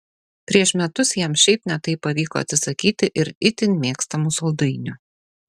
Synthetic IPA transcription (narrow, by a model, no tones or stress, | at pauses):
pʲɾʲiɛʃmʲɛt̪ʊsjiɛmʃʲɛɪpnʲɛt̪ɐɪpːɐʋʲiːko̰ɐt̪ʲsʲɪsɐkʲiːt̪ʲɪʔɪɾɪt̪ʲɪnʲmʲeːkst̪ɐmusɔlˠd̪ɐɪnʲʊ